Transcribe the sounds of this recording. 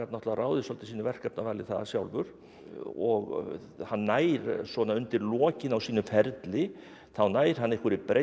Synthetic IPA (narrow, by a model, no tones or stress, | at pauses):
at̪nɔht̪laraːwðɪsɔlt̪ɪ̥siːnʏvɛr̥kapnavaːlɪθaðasjawlvʏ̰ɾ̥ | ɔɣ | hanːaːjɾsvɔnaʏnt̪ɪɾlɔːcɪnawsiːnʏfɛɾt̪lɪ | θawnaːjɾ̥hanːehkvʏɾipɾe